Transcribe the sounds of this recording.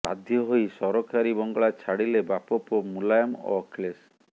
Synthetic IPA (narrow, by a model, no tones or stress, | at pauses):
a̰d̪ʱjɔɦojsɔɾɔkʰaɾibɔŋɡɔɭat͡ʃʰaɽilebapɔpomulajɔmɔ̰kles